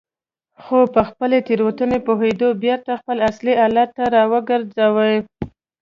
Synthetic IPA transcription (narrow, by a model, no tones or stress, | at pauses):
xopəxpəlet̪eɾwət̪ənepoɦed̪objeɾt̪axpəlasliɑlat̪ːaɾɑwəɡəɾzawəj